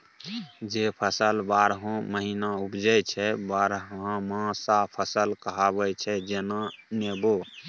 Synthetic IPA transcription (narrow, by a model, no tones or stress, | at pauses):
d͡ʒepʰəsəlbaɾɦõməɦinaupd͡ʒəjt͡ʃʰɛbaɾɦãmãsapʰəsəlkəɦabət͡ʃʰɛd͡ʒenanebo